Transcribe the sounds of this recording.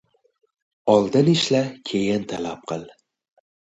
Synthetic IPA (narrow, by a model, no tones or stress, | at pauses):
ɒlˠd̪ɪnɪʃlakʲʰe̞jɪnt̪ʰalap̚qʰɨlˠ